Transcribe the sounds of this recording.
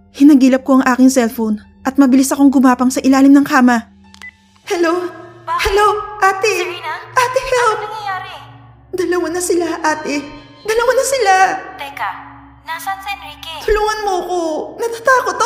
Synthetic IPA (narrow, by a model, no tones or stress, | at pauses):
hɪnɐɡiːlɐp̚koʔɐŋʔaːkɪŋsɛlfon | ʔɐt̪̚mɐbɪlɪsɐkoŋɡʊmaːpɐŋsɐʔɪlaːlɪmnɐŋkaːmɐ | hɛlohɛloʔaːt̪ɪʔaːt̪ɪhɛlpː | d̪ɐlɐwanɐsɪlaʔaːt̪ɛ | d̪ɐlɐwanɐsɪla | t̪ʊluːŋɐnmoɐkonɐt̪at̪aːkot̪